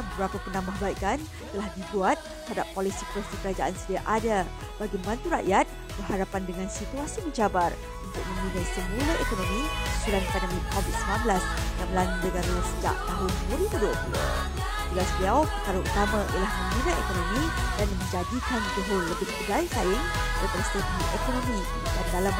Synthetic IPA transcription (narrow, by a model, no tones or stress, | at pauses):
bəbɾapapənãmbahbaikan | t̪əlahdibuat̪̚ː | əɦadapːolisipəɾat̪ikəɾad͡ʒaʔansədiaʔada | b̥aɡiəmbant̪uɾa̰ʔjat̪̚ | b̥ərɦaɾapandəŋãnsit̪uasiməɲd͡ʒt͡ʃabar | unt̪ʊk̚mə̃minat̪̚səmũləekonɔ̃mĩsiɾankananikovit̪̚siblanbəlasjaŋməlanudəɡaɾəsəd͡ʒa̰ʔ̚t̪aɦʊnəməɾikəduəkulə̰ | d͡ʒulasbliawpəkaɾəʔṵt̪amãijəlahmə̃minat̪ḛkonomĩdanmə̃ɲd͡ʒadikanduɦələbɪhbəɡajsaɪŋ | səpəɾəst̪ədiʔekonõmĩ | dandalam